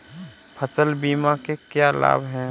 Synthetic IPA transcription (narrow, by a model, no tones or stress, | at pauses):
pʰət͡ʃəlbiːmakekjala̰ːbɦɛ̃ː